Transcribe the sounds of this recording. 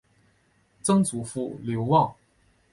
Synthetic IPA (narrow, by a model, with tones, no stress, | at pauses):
t͡sɤ˥ŋt͡su˨˩fu˥˩ljo˧˥ʊwɑ˥˩ŋ